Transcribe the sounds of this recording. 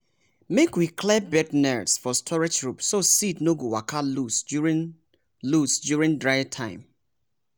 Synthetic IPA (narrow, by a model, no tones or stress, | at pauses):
mekwikʰlɛbɛtnɛdsfɔstʰɔɹɛd͡ʒtɹupsositnoɡuwakʰalusuɹi | lusdjuɹĩŋdɹaɪtʰãɪ̃m